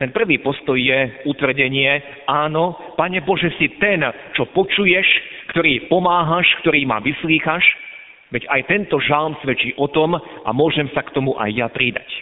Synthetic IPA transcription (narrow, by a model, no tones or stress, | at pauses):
t̪ɛnpr̩ʋiːpɔst̪ɔjːjɛut̪ʋr̩ɟɛɲɪɛ | aːnɔ | paɲɛbɔʒɛsit̪ɛn | t͡ʃɔpɔt͡ʃujɛʃkt̪ɔɾiːpɔmaːɦaʃkt̪ɔɾiːma̰ʋisliːxaʃ | ʋɛɟajt̪ɛnt̪ɔʒalˠmsʋɛt͡ʃiːʔɔt̪ɔmʔa̰mʊɔʒɛmsakt̪ɔmuʔa̰jːapɾid̪a̰c